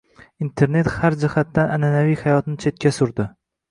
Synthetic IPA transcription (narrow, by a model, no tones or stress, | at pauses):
int̪ʰe̞ɾne̞t̪haɾd͡ʒɪhat̪ːanananavijhajɒt̪nɪt͡ʃʰe̞t̪̚kʲʰasʊɾd̪ɪ